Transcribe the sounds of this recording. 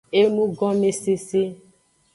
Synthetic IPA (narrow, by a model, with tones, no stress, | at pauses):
e˦mũ˦ɡɔ̃˦me˨se˨se˦